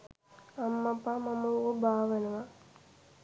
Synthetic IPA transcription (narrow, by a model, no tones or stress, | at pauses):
ɐmːɐpːamɐmuobʱaːʋɐnɐma